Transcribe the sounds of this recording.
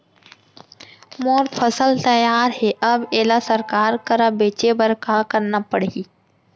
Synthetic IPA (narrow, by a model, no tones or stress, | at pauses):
moːɾpʰəsəlt̪əjaːɾɦɛʔɐbeːlasəɾkaːɾkəɾabeːt͡ʃebəɾkaːkəɾnapəɽiː